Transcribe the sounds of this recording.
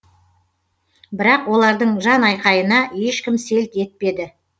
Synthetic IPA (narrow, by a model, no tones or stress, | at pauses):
bɪɾɑqwo̞lˠɑɾd̪əɴʒɑnɑjqɑjənɑje̞ʃkʲɪmse̞lt̪e̞t̪̚pe̞d̪ɪ